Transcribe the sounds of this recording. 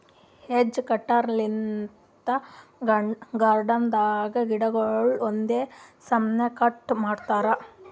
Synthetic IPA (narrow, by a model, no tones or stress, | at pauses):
hed͡ʒːkɐʈːaːɾlin | t̪ɐ | ɡaːɾɖɐnd̪aːɡɐɡiɽɐɡɐɭɭond̪eːsɐmnekɐʈːmaːɖt̪aːɾɐ